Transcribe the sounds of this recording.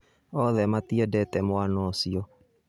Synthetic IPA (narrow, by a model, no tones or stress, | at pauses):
ɔðɛmatiɛdɛtɛmwanɔsiɔ